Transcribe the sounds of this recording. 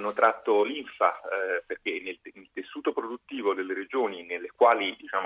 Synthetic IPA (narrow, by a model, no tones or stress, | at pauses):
nːot̪ɾʔat̪ːoliɱfaperk̟enelnelt̪esːuːt̪opɾod̪ut̪ːiːvod̪elːeɾed͡ʒoːninelːekwaːlid̪it͡ʃaːm